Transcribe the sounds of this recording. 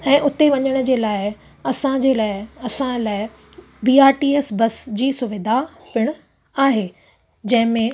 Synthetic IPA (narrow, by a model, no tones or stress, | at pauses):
ɛ̃ːʔʊt̪eʋɐɲəɽ̃ʊ̆d͡ʑeːlaːɪ | ɐsãd͡ʑelaːɪɐsãlaːɪ | biːaːɾʈiːeːsbɐsd͡ʑiːsʊʋɪd̪ʱapɪɽ̃ʊ | aːɦeː | d͡ʑɐ̃ɦɪ̃mẽ